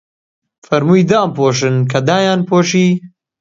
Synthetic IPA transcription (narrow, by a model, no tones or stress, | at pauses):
fɐɾmuːjd̪aːmpoːʃ̬ɨnkʰɐd̪aːjaːnpʰoːʃiː